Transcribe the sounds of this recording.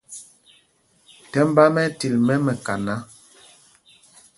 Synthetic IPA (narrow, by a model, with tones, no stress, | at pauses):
tɛ˦m˦ba˦mɛ˦ti˨lmɛ˦mɛ˨ka˨na˦